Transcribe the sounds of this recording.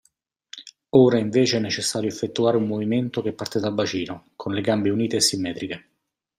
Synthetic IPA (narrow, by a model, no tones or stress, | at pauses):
oːɾaiɱveːt͡ʃeɛnːet͡ʃesːaːɾjoefːet̪ːuaːɾeumːoviment̪ok̟epːart̪ed̪albat͡ʃiːnokʰonleɡambeuniːt̪eːsːimːɛːt̪ɾike